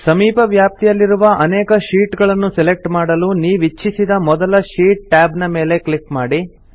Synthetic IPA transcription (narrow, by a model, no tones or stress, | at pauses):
sɐmiːpɐʋjaːp̚t̪ijɐlːiɾuʋɐʔɐnɛːkɐʃiːʈɡɐɭɐnːusɛlek̚ʈmaːɽɐluniːʋit͡ʃːisid̪ɐmɔd̪ɐlɐʃiːʈ̚ʈaːbnɐmeːle̞kɭikmaːɽi